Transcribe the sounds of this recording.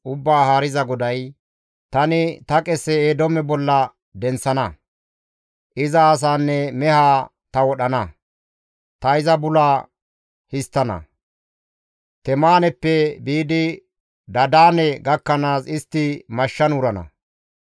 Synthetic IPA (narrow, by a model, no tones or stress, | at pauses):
ʔʊbːaːhaːɾɪzɐɡɔd̪ɐj | t̪ɐnɪt̪ɐkʼɛsːɛeːd̪ɔmɛbɔlːɐ | d̪ɛnsɐnɐ | ʔɪzɐːs̬aːnːɛmɛhaː | t̪ɐwɔɗɐnɐ | t̪ɐɪzɐbʊlaː | hɪst̪ːɐnɐ̰ | t̪ɛmaːnɛpːɛbiːd̪ɪ | d̪ɐd̪aːnɛɡɐkːɐnaːsɪst̪ːɪmɐʃːɐnʊɾɐnɐ̰